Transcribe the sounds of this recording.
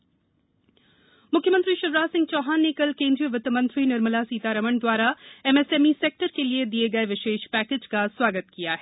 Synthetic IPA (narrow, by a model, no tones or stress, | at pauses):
mʊkʰjəmə̃nt̪ɾiʃɐɾɾaːsɪ̃ŋɡt͡ʃɔːɦaːnːekɐlkẽːnd̪ɾijəʋɐt̪əmɐ̃nt̪ɾinɐɾməlasiːt̪aɾɐməɳd̪waːɾaɛmeːseːmiseːk̚ʈəɾkelied̪ieɡɐeʋɪʃeːʃpɛːkeːd͡ʒkaswaːɡət̪kijaɦɛː